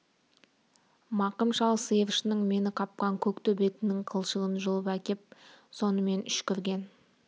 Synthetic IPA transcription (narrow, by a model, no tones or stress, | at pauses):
mɑqəmʃɑlˠsəjəvʃnəɴme̞nɪqʰɑp̚qɑŋkʲʰɵkt̪ɪbe̞t̪ɪnɪŋqʰəlˠʃəʁənʒolˠəpækʲe̞p̚so̞nəme̞nʏʃkʲʰʏɾɡʲe̞n